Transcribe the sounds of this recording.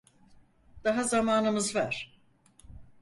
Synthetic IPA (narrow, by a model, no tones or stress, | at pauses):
d̪̥aɦazamaːnɯmɯzva̰ɾ̥